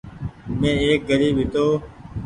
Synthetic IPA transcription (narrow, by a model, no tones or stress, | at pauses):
mẽːeːk̚ɡəɾiːbɦɪt̪oː